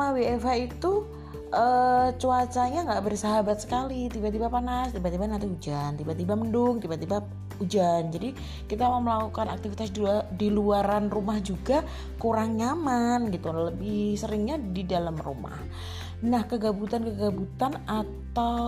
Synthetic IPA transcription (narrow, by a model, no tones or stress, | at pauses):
awiefait̪u | ʔət͡ʃuat͡ʃaɲaŋɡaʔbərsaɦabat̪̚sə̥kalit̪ibaʔt̪ibapanast̪ibaʔt̪ibanant̪iud͡ʒant̪ibat̪ibaməndʊŋt̪ibaʔt̪iba | ud͡ʒand͡ʒadi | kit̪amaməlakukana̰k̚t̪ifit̪asdiluaɾanrumahd͡ʒuɡa | kuɾaŋɲamanɡit̪uləbɪhsəɾɪŋɲadidalamrṵma̰h | nahkəɡabut̪ankəɡabut̪anat̪aw